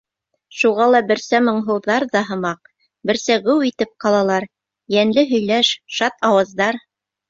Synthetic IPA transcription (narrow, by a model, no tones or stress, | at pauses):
ʃuʁɑlˠɑbɘ̆ɾsæmɤ̆ɴɦɤ̆wðɑɾðɑɦɤ̆mɑq̚ | bɘ̆ɾsæɡɵwit̪ɘp̚qɑlˠɑlˠɑɾ | jænlɘɦɵ̆jlæʃʃɑt̪ɑwɑzd̪ɑɾ